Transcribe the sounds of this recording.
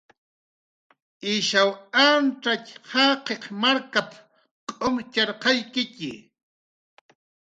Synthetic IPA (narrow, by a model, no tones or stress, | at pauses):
ɪʃawanʈ͡ʂachɑqeqmaɾkap | qʼomt͡ʃɑɾqɑjkɪcɪ